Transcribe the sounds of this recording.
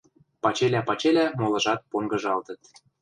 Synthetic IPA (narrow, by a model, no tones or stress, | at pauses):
pɑt͡ɕelʲæpɑt͡ɕelʲæmolɤ̆ʒɑt̪̚poŋɡɤ̆ʒɑlt̪ə̆t̪